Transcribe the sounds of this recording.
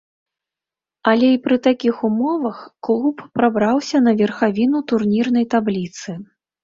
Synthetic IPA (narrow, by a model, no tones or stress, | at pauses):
ɐlʲɛipɾɨt̪akʲixumɔvɐxklˠupːɾabɾawsʲɐn̪ɐvʲɛrxavʲinut̪urnʲirnɐjt̪ablʲit̪sɨ